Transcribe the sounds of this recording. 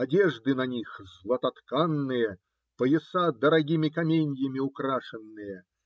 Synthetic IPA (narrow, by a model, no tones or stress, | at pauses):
ɐdʲeʐd̪ɨnɐnʲixzlˠɐt̪ɐt̪kanːɨjə | pəjɪsad̪əɾɐɡʲimʲɪkɐmʲenʲjəmʲɪʊkɾaʂɨnːɨjə